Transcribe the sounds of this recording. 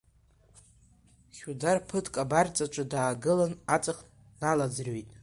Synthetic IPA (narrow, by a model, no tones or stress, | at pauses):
χʲudarpʰɨtʰkʼabart͡sʼat͡ʃʷʼadaːɡɨlanat͡sʼaχ | nalad͡zrwojtʼ